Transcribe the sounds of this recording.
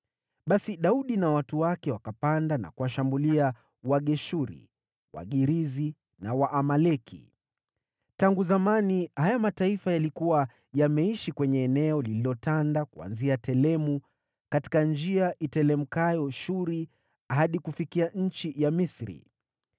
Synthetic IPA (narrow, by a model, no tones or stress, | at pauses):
ɓasiɗauɗinawatuwakɛwakapandana̰kuwaʃambulia | waɠɛʃuɾḭ | wa̰ɠiɾizi | nawaʔːmalɛkʰḭ | taŋɡuzamanihajamataifajalikuwa | jamɛiʃikwɛɲɛːnɛɔlililɔtandakua̰nziatɛlɛmu | kati̥kand͡ʒiaʔitɛlɛm̩kajɔʃuɾi | aɦaɗikufikiaɲ̩t͡ʃijamisɾḭ